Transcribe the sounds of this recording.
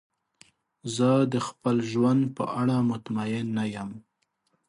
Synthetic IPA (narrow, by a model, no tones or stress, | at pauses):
zəd̪əxpəlʒwand̪̚pəʔaɽamʊt̪majɪnːajam